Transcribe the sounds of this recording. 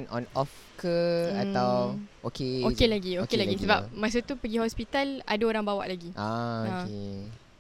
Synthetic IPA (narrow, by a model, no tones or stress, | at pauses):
nɔnɔf | kəat̪awokeoelaɡiokelaɡisəbapmas̬ut̪upəɡihɔspit̪ala̰daoɾaŋbawa̰ʔlaɡiʔaae